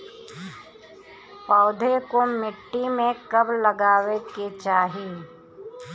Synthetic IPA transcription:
paːd̪ʱekomɪʈːimẽkɐbləɡaːʋeket͡ʃaːɦe

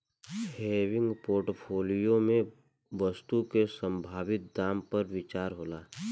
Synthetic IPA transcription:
heːʋɪ̃ŋɡpoːɾʈpʰoːlijomẽ | ʋəst̪ukesə̃mbʱaːʋɪt̪̚d̪aːmpɐɾʋɪt͡ʃaːɾɦoːlaː

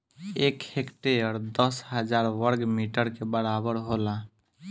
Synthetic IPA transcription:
ekhekʈeəɾd̪əsɦəd͡ʒaɾʋəɾɡmiʈəɾkebəɾabəɾɦola

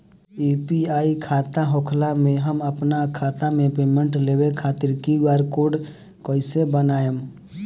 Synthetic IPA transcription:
ipiaːikʰaːt̪aɦoːkʰlamẽɦəməpnakʰaːt̪amẽpeːmẽɳʈleːwekʰaːt̪ɪɾkiɡaːɾkoːɖ | koːisebənaːjem

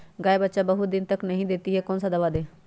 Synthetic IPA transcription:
ɡaːeːbətːʃaːbəɦud̪ɪnt̪əknəɦĩːd̪ɪːt̪iːɦɛːkoːnsad̪əʋaːd̪eː

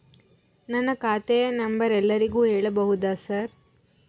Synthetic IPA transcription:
nɐnːɐkaːt̪enɐmbɐɾɛlːɐɾiɡuːɦɛːɭɐbɐɦud̪aːsɐɾ

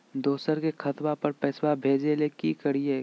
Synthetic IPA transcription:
d̪oːsəɾkekʰɐt̪wapɐɾpɛːswabʱeːd͡ʒelekikəɽie

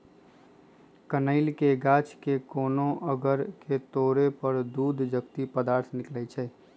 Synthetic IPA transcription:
kənəɪlkeɡaːt͡ʃkekoːnõʔəɡəɾket̪oːɾepəɾd̪uːd̪ʱd͡ʒəkt̪ipəd̪aːɾt̪ʰnɪklɛt͡ʃʰɛː

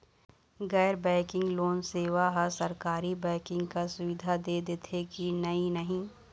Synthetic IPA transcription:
ɣɛːɾbɛ̃ːkɪ̃ŋɡloːnseːʋaɦasɐɾkaːɾibɛ̃ːkɪ̃ŋɡkasʊʋɪd̪ʱad̪ed̪et̪ʰekinɐinɐɦĩː

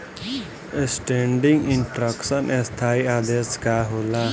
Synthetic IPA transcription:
esʈeːɳɖɪ̃ŋɡɪɳʈɾəksənʔest̪ʰaːiaːd̪eːskaːɦoːlaː

